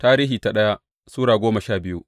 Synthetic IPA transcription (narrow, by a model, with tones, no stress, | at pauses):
taː˦ɾiː˦ɦiː˨ta˨ɗɐ˦ja˦ | suː˦ɽaː˨ɡʷoː˦mɐ˨ʃaː˦˨bɪ˦ju˦ʔ